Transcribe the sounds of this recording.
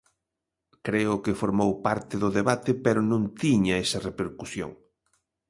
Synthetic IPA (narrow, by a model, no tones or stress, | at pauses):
kɾeʊkɪfoɾmowpaɾt̪ɪðʊðeβat̪ɪpeɾʊnũnt̪iɲɐesɐrepeɾkusjo̰ŋ